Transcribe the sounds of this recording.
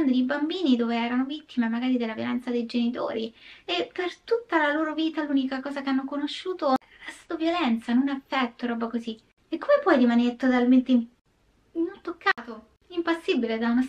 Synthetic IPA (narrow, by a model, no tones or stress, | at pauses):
nd̪oibambiːnid̪oːveɛːɾanovit̪ːimemaɡaːɾid̪elːavjolɛnt̪sad̪ejd͡ʒenit̪o̰ːɾiepːert̪ut̪ːalaloːɾoviːt̪aluːnikakɔːzakeanːokonoʃːuːt̪o | ɾast̪aːt̪ovjolɛnt̪sanonafːɛt̪ːoɾɔːbakozi | ekːomepwɔjɾimaneɾet̪ot̪alment̪e | inut̪ːokːaːt̪o | impasːibiled̪awnos